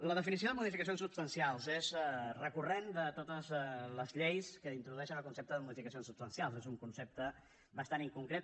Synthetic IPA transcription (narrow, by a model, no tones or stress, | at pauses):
ləðəfinisioðəmuðifikəsijonsupst̪ənsialˠzezrəkurend̪ət̪ot̪əzləzʎejskəint̪ɾuðuɛʃənəlˠkunsep̚t̪əðəmuðifikəsijonsupst̪ənsialˠzezuŋkunsep̚t̪ə | bəst̪aniŋkuŋkɾet̪